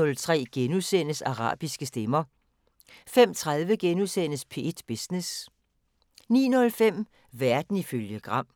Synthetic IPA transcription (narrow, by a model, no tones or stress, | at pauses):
ɔ̽lt͡sʰʁɛ̰ːɡ̥enusen̰əsɑ̈ʁɑ̰̈ːb̥isɡ̥əsd̥emɐ | fem̰t͡sʰʁað̞ˠʋəɡ̥enuðˠsen̰əspʰe̝d̥b̥esnes | nḭːnɔ̽lfem̰ | ʋæɐd̥n̩iføljəɡ̥ʁɑ̈m̰